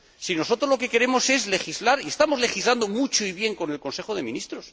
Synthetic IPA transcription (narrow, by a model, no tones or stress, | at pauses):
sino̞so̞t̪ɾo̞zlo̞ke̞ke̞ɾe̞mo̞se̞zle̞xizlaɾie̞st̪amo̞zle̞xizland̪o̞mut͡ʃoiβje̞ŋko̞ne̞lkonse̞xoð̞e̞mĩnist̪ɾo̞s